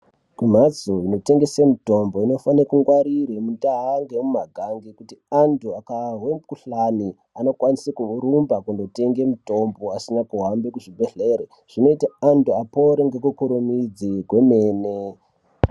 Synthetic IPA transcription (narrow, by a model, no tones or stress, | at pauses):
kum̤ad͡zuino̞te̞ŋɡe̞semuto̞mbo̞ino̞fanakuŋɡwaɾiɾemutaɦaŋɡemumaɡʱaŋɡekutiantuakaɦwe̞mukuɬani | ano̞kwanisekuɾumbakundo̞te̞ŋɡe̞muto̞mboasinakuɦambe̞kuʐibʱe̞ɬe̞ːɾe | ʐ̥ino̞itaantuapoɾeŋɡekukuɾumid͡ziɡʱwe̞meːne